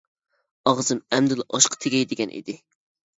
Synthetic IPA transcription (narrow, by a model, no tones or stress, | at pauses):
ɑʁzɨmɛmd̪ɪlˠʔɑʃqʰɑ̥t̪ʰeɡʲɛjd̪ɪɡʲɛnʔḭd̪ɪ